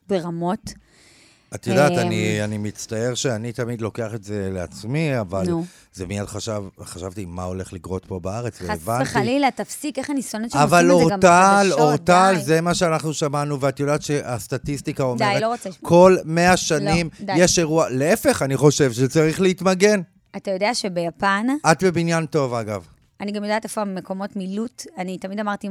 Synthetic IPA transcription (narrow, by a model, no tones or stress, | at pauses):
beʁamot̪ | at̪jodaːtannianimit͡stae̞ʁʃeanitamid̪lo̞ke̞aχetzelea̰t͡smiavaln | zemiadχaʃavχaʃavt̪ima̰o̞le̞χlikʁo̞tpo̞baaʁet͡sveevantililat̪afsikeχanisonet͡ʃavaloʁaloʁt̪alzemaʃeanaχnuʃamanuveatjodaːtʃeʔast̪atistikao̞meeloʁot͡skʰo̞lme̞aʃanimjeʃe̞ʁualeefe̞χaniχo̞ʃe̞vʃet͡saʁiχleitmaɡe̞n | atajo̞deaʃebejapanʔat̪be̞binjanto̞vaɡav | aniɡamjd̪at̪efoamekomotmilutanitamid̪amaʁt̪i